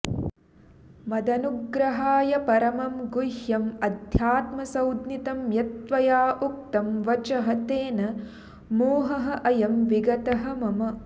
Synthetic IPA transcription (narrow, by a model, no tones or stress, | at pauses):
mɐd̪ɐnuɡɾɐɦaːjɐpɐɾɐmɐmɡujhjɐmɐd̪ʱjaːt̪mɐsɐwd̪nit̪ɐmjɐt̪ʋɐjaːʔuk̚t̪ɐmʋɐt͡ʃɐɦɐt̪eːnɐ | moːɦɐɦɐ̆ʔɐjɐmʋiɡɐt̪ɐɦɐ̆mɐmɐ